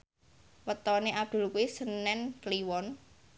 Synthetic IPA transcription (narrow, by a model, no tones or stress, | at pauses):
wət̪ɔneʔap̚d̪̥ṳlkuisənɛnkliwɔn